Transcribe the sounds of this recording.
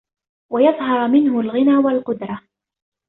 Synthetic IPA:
wajɑðˤɦɑɾˤmɪnhʊlɣɪnaːwalqʊd̪ɾˤɑ

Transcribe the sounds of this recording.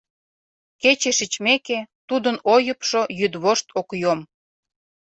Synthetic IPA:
ket͡ɕeʃit͡ɕmeket̪ud̪ənojəpʃojyd̪βoʃt̪ʰokjom

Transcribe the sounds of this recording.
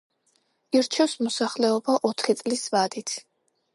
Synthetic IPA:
iɾt͡ʃʰɛfsmɔsaχlɛɔbaʔɔt̪ʰχit̪sʼlisvad̪it̪ʰ

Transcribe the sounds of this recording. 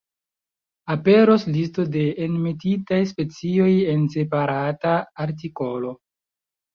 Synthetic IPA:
ape̞ɾo̞slisto̞de̞ːnmetitajspe̞t͡sio̞je̞nse̞paɾataːɾt̬iko̞lo̞

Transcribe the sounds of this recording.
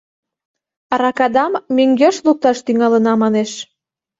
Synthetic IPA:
ɾɑkɑd̪ɑmːyŋɡøʃluk̚t̪ɑʃt̪yŋɑlə̆nɑmɑneʃ

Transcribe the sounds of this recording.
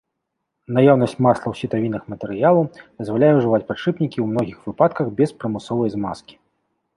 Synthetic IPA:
najawnɐsʲt͡sʲmaslˠɐwsʲit̪avʲinɨxmɐt̪ɛɾɨjalˠɐwd̪̥ɐzvalʲajɛʐɨvat͡sʲpaʂɨpnʲikʲiwmn̪ɔɣʲixvɨpat̪kɐxbʲɛspɾɐmɨsɔvɐjzmaskʲi̥

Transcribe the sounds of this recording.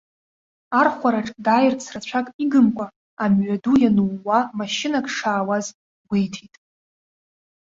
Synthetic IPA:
arχʷaɾaʈ͡ʂʼdaːjɪrt͡sʰrat͡ɕʷʰakʼiɡɨmkʷʼa | amɥʷadujanuwːamaʃɪnakʰʼʂaːwaz | ɡʷejtʰitʼ

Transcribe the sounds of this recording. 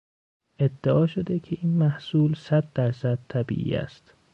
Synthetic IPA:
ʔe̞d̪ːeɒːʃo̞d̪ecʰe̞ʔiːnmæhsuːlsæd̪̚ːæɾsæd̪̚t̪ʰæbḭːʔḭːæ̰st̪

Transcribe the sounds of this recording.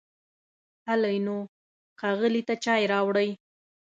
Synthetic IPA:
halajno | xaɣəlit̪at͡ʃɑjɾɑwɽəj

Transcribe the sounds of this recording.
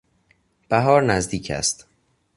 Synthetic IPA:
b̥æɦɒːɾnæzd̪iːcʰæ̰st̪

